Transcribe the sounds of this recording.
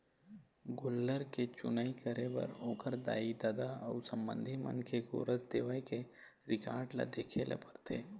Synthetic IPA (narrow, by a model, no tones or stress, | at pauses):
ɡʊlːəɾket͡ʃʊnaːikəɾebɐ̰ɾoːkəɾd̪a̰ːid̪aːd̪aɔʊsə̃mbə̰̃nd̪ʱimə̰̃nkeɡo̰ːɾəsd̪eːʋəjke | ɾɪkaːɾɖla̰d̪eːkʰelʔḛpəɾt̪ʰeː